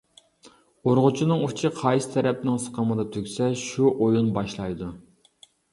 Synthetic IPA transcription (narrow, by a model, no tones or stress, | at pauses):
oɾʁʊt͡ʃʰinɨŋut͡ʃʰiqʰɑjsɪ̥t̪ʰɛɾɛp̚nɪŋsə̥qʰəməd̪ɑt̪ʰøkʲsɛʃuʔojunbɑʃlˠɑjd̪u